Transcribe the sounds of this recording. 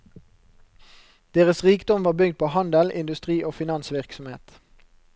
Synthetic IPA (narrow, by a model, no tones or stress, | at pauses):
d̪̥eːʁəsʁiːkd̪ɔmʋɑːʁbʏɡt̪̚pʰoːhɑnd̪əlɪnd̪ʉst̪ʁiːʔoːfɪnɑnsʋɪʁksɔmheːt̪